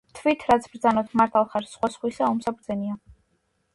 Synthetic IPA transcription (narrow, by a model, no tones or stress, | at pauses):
t̪ʰvit̪ʰɾat̪sʰbɾd̪zanɔt̪ʰmaɾt̪ʰalˠχaɾsχwasχwisaɔmsapʰuɾd̪zɛnia